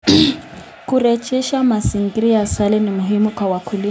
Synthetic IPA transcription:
kʼurɛ˨t͡ʃʼɛ˦ʃa˦ma˨si˨ŋ̩˨kʼiɾi˦ja˨sa˦lɪ˦nɪ˨mʊ˨ɦimʊ˦kʰʼa˨wa˨kʰu˨lu˦

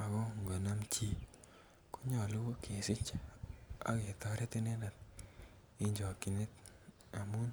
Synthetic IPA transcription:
a˨ɡɔ˦˨ŋɡa˨na˦mt͡ʃi˦ | ko̥˦ɲɔ˨lo˦wo˦kʰe˨sɪ˦t͡ʃ | a̰˦ke˨t̪ɔ˨ɾɛ˦t̪i˦ne˦na˨t̪̚ | i˦ɲd͡ʒɔ˨ki˨ne˦t̪ | a˨mu˦n

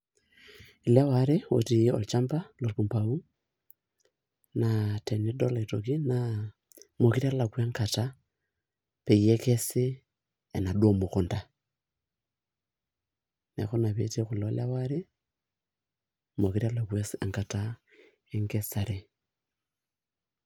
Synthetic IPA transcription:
i˨la˦waɾe˦wo̰ti˨jɔ̰lt͡ʃa˦mpa˦lo˨lpu˨mpa˨u˦ | nate˨ni˦do˦lato˨ki˦na | mo˨ki˦ɾi˦a˦la˨kwa˦ŋka˨ta˦ | pe˨je˦ke˦seː˦˨ | na˨dwo˨mo˨ko˨nda˨ | ne˨xo˦na˨βete˦ku˨lo˨˦la˦waɾe˦ | mo˨kiɾa˦la˨kwa˦sŋka˨ta | e˦ŋɡe˦sa˨ɾe˨

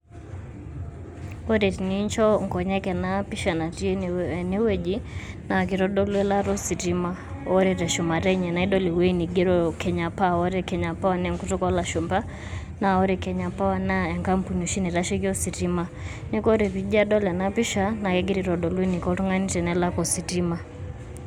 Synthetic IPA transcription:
ɔ˦ɾɛ˨ti˨niɲt͡ʃɔ˦ŋkɔ˨ɲɛ˦kɛ˨napi˦ʃa˨na˨ti˦ɛni˦wɛ˦d͡ʒi˦na˨k̬i˨ɾɔ˦ɗɔ˦lu˦ɛ˦la˦ɾɔ˦si˨ɾi˦ma˦ | ɔ˦ɾɛɾɛ˨ʃu˨ma˨ɾɛɲɛ˨na˨iɗɔ˦li˨wɛ˦i˦ni˨ɡɛ˦ɾɔ˦kʰɛ˨ɲa˨pa˦ɔ˦ɾɛ˦kɛɲa˨pa˦wa˦nɛ˦ŋku˦tɔ˦kɔ˦la˨ʃu˨mba˦ | na˨ɔ˦ɾɛkɛɲa˨pa˦wa˦na˦ɛ˨ŋka˦m̩pu˨nu˨ʃi˦ni˨ɾaʃi˦ki˦ɔ˦si˨ti˦ma˦ni˦kɔ˦ɾɛ˨pi˨ʄa˦ɗɔ˦lɛ˨napi˦ʃa˦na˨kɛɡi˦ɾi˨ɾɔ˨ɗɔ˨luɛ˦ni˨kɔ˦ɾu˦ŋa˦ni˦tɛ˨nɛla˦kɔ˨si˨tima˦

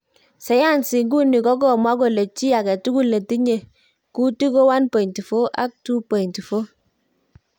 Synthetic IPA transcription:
sɛ˨˦ja˦˨nsɪ˨ŋɡu˦ni˨kɔ˦k̬ɔ˦˨mwa˦ko˨le˨t͡ʃi˦a˨kɛ˨tu˦ku˦le˨ti˦ɲe˨ | ku˦ti˦ko˦wa˦npɔ˨i˨nti˨fo˦ʔa˦k̚tu˦pɔ˨i˨nti˨fo˦

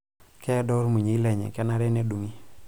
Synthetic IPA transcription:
kɛ˦dɔ˦ɾmu˨ɲe˨i˦lɛ˨ɲɛ̰˨kɛ˦na˦ɾɛ˦nɛ˦du˨ŋi˦

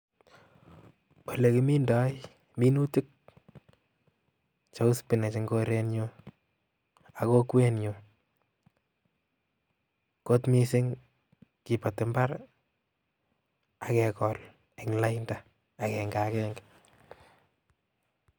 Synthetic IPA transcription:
wɔ˨lekɪ˨mi˦ndɔ˦j | mi˦nu˦tɪ˦k̚ | t͡ʃo˦ʊ˦spɪ˨na˨t͡ʃɪŋɡo˦ɾenjo | ako˦kwɛ˦nɲo | ko˦tmisɪ˦ŋ | ki˨pa˨tɪ˨mbar | akɛkɔl | ɛ˨ŋla˦jnda | a˨kɛŋɡakɛŋɡ

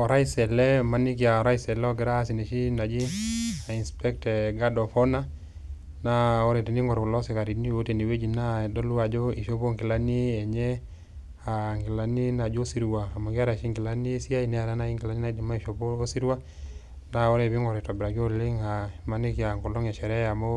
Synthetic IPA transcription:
ɔ˨ɾa˦i˦sɛ˨lɛ˦ma˨ni˦k̬ja˨ɔ˨ɾa˦isɛ˨lɛ˦ɔ˦ɡɛ˨ɾaː˦si˨ne˨ʃi˦na˨d͡ʒi˦a˨i˨nspɛ˦ktɛ˨ɡa˦dɔ˨fɔ˦na˦ | na˦ɔ˦ɾɛ˨ti˨ni˦ŋɔ˨ɾkɔ˨lɔ˦sɛ˨ka˨ɾi˨ni˦o˦te˨ni˨we˦d͡ʒi˨na˦dɔ˦lu˦a˨d͡ʒɔ˦i˨ʃo˦bo˦ŋki˨la˦ni˦ɛ˨ɲɛ˦ | a˨ŋɡi˨la˨ni˦na˨d͡ʒo˦si˦ɾwaː˨mo˨ɡa˦ɾa˨ʃi˦ŋɡi˨la˦ni˦si˦a˦i˨nɛ˦a˨ɾa˦na˦i˦ŋki˨la˦ni˦na˦di˨ma˦i˨ʃo˨poː˦si˦ɾwa˦ | na˨ɔ˦ɾɛ˨bi˦ŋɔ˨ɾɛ˨tɔ˨bɾa˨ɡi˦o˦li˦ŋa˨ma˨ni˦kja˨ŋkɔ˨lɔ˦ŋɛ˨ʃɛ˨ɾɛ˦a˨mo˦

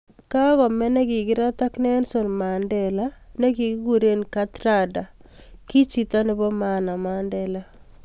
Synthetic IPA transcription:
ka˦ɣɔ˨mɛ˦nɛ˦ɡɪ˨ɡɪ˦ɾa˦ta˦knɛ˦nso˨nma˨ndɛ˨la˦ne˦ɡi˨ɡɪ˦ɡu˨ɾe˦nka˦tɾa˦da˨ | ki˦t͡ʃi˨ta˦nɪ˦bɔ˦mana˨mandɛla˦

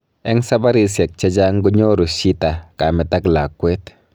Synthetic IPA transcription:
ɛ˦ŋsa˦ba˦ɾi˦˨se˨k̚t͡ʃa˦d͡ʒa˦ŋɡu˦ɲo˦ɾu˨ʃi˦ta˨ka˨mɛ˨ta˦kla˨kʷːwe˦t

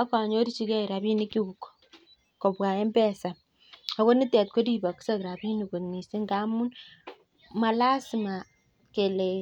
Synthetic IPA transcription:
a˦ka˨ɲo˦ɾi˦t͡ʃi˦ke˦i˨ɾa˨bi˦ni˦ki˦u˨kːo̥˨ | ko˨bwa˨e˦mbɛ˦sa˨ | a˦ko˦ni˦tɛ˨t̚ko˦di˦ba˨ku̥˦sa˦kɾa˨bi˦ni˨ku˨ni˨si˦ŋɡa˦mu˦n | ma˨la˦si˨ma˨ | ke˨le˨

